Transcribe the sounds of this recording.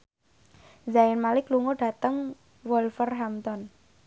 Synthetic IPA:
zaɪnmalɪkluŋɔɖa̤t̪əŋ | wɔlfərɦamt̪ɔn

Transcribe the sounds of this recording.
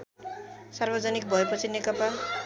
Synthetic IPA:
sarbʌd͡zʌnikbʱʌepʌt͡sʰinekʌpa

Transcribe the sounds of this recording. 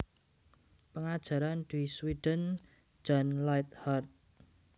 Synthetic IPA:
pəŋad̥ʒ̥a̤ɾand̪̥iswiɖ̥ən̥ | d͡ʒ̥a̤nlajt̪̚hart̪̚

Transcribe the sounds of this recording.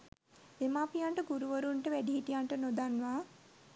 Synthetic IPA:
emaːpijaɳʈəɡuɾuʋəɾuɳʈəʋæɖiɦiʈijaɳʈənod̪anːʋaː

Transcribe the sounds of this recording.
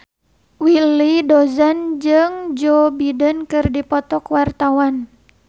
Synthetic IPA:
wilidɔzand͡ʒɨŋd͡ʒɔbidənkɨrdipɔt̪ɔkwart̪awan

